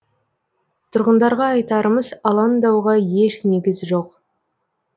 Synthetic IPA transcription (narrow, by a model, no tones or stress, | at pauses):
t̪ʰʊɾʁənd̪ɑɾʁɑːjt̪ɑɾəməzɑlˠɑnd̪ɑwʁɑje̞ʃne̞ɡʲɪzʒo̞q